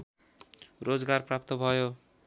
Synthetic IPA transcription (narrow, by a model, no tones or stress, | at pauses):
rod͡zɡarprap̚t̪ʌbʱʌjo